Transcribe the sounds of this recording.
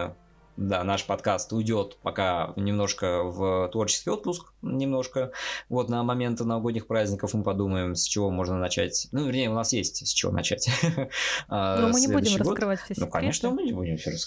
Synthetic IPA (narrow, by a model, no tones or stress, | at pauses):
d̪anaʂpɐt̪kast̪ʊjdʲo̞t̪pɐkanʲɪmno̞ʂkəvət̪vo̞rt͡ɕɪ̥skʲɪjo̞t̪̚pʊsk | nʲɪmno̞ʂkəvo̞t̪nəmɐmʲe̞nt̪ɨnəvɐɡo̞dʲnʲɪxpɾazʲnʲɪkəfmɨpɐd̪uməɪmsʲt͡ɕɪvo̞mo̞ʐnənɐt͡ɕætʲnuvʲɪrnʲejəʊnasjesʲtʲsʲt͡ɕɪvo̰nɐ̰t͡ɕætʲ | annomɨnʲɪleud̪ʲɪʃːɪɡotkɾɨvanukɐ̰nʲe̞ʂnəmɨnʲɪbudʲɪmsʲoɾəsk